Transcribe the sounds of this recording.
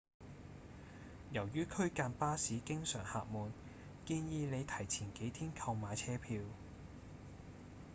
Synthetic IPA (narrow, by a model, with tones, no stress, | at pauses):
jɐ˨˩wjyː˥kʰɵ˥ɥkaː˧npaː˥siː˨˥kɪ˥ŋsœː˨˩ŋha̰ː˨˧k̚muː˨n | kiː˧njiː˨˧le˨˧jt̪ʰɐ˨˩jt͡sʰiː˨˩nke˨˥jt̪ʰiː˥nkʰɐ˧wmaː˨˧jt͡sʰɛː˥pʰiː˧w